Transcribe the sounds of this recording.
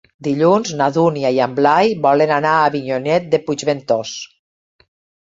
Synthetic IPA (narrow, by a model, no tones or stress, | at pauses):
d̪iʎunznaðuniaiamblajbɔlenanaːβiɲonɛt̪̚d̪epud͡ʒβent̪os